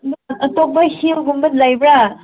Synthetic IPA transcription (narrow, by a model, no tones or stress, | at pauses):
ɐtɔk̚bahilɡumbɯt̚lajbɾa